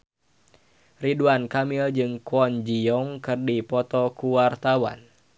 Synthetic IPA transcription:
riduankamild͡ʒɨŋkɔnd͡ʒiɔŋkɨrdipɔt̪ɔkuwart̪awa̰n

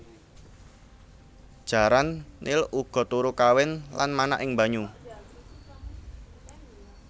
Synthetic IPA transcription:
d̥ʒ̥a̤ɾanːilʔuɡ̥ɔ̤t̪uɾukawɪnlanmana̰ʔɪŋmbaɲu

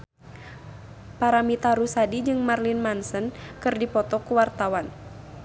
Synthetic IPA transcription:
paɾamit̪aɾusadid͡ʒɨŋmarlinmansənkɨrdipɔt̪ɔkuwart̪awan

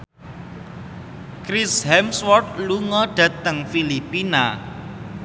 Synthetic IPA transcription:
kɾishɛmswɔrt̪̚luŋɔɖ̥ä̤t̪əŋfilipina̰

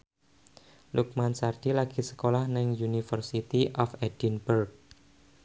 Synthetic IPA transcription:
luk̚mansard̥ilaɡ̥i̤sə̥kolahnɪŋjunifərsit̪iʔɔfɛd̥inbərk̚

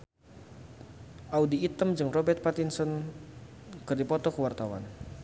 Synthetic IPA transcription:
ʔaudiːt̪əmd͡ʒɨŋrɔbɛrt̪̚pat̪insɔn | kɨrdipɔt̪ɔkəwart̪awa̰n

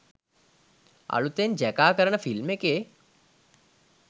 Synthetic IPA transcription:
ɐ̰ɭut̪end͡ʒɛkaːkəɾəɳəfilmeke

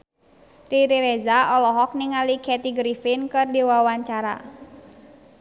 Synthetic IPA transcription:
riɾiɾezaɔlɔɦɔk̚niŋalikʰɛt̪iɡɾifɪnkɨrdiwawaɲt͡ʃaɾa̰

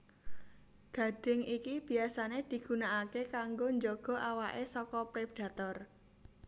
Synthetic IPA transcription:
ɡ̥ä̤ɖ̥ɪ̤ŋikib̥i̤asaned̪̥i̤ɡ̥ṳnaʔakekaŋɡoɲd͡ʒɔɡ̥ɔ̤ʔawaʔesɔkɔpɾepɖ̥ä̤t̪ɔr

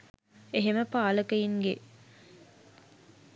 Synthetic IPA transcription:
eɦeməpaːləkəjiŋɡe

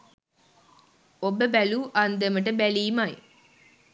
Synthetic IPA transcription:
obəbæluːʔɐnd̪əməʈ̬əbæliːmɐj

